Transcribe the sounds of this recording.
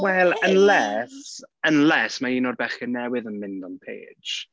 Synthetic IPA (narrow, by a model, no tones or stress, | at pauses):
wɛlˠənlɛsənlɛsmaiːnɔdbɛχənɛwɨðənmɪndɔnpʰḛ̥ːd͡ʒ̥